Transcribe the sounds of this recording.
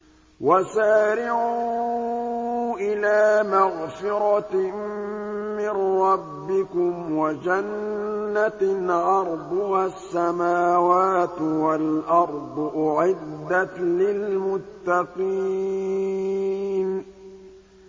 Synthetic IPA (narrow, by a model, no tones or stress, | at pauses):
wasaːɾɪʕuː | ʔɪlaːmaɣfɪɾɑ | mɪnɾɑbːɪkʊmwad͡ʒanːaʕɑɾˤd̪ˤwasːamaːwaːt̪walʔɑɾˤd̪ˤʔʊʕɪd̪ːat̪lɪlmʊt̪ːɑqi | n